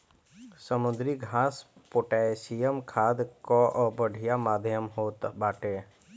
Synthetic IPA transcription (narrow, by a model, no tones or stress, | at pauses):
səmʊd̪ɾiɡʱãːspoʈaesijəmkʰaːd̪kɔʔɔbəɖʱijamaːd̪ʱjəmɦoːt̪baːʈeː